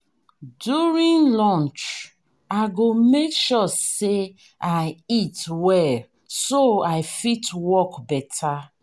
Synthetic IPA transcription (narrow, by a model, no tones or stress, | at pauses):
djuɹĩŋlɔ̃nt͡ʃ | aɪɡomekʃɔse | aɪitwɛl | soaɪfitwɔkbɛtʰa